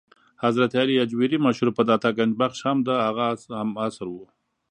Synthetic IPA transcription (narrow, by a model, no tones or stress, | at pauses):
hazɾat̪aliad͡ʒwiɾimaʃhuɾpəd̪at̪aɡand͡ʒbaχʃhamd̪əhaɣahamasɾwu